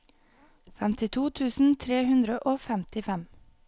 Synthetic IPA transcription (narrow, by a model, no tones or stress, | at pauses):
fɛmt̪ɪt̪ʰuːt̪ʰʉːsn̩t̪ʰɾeːhʉnd̪ɾəʔoːfæmt̪ɪfɛm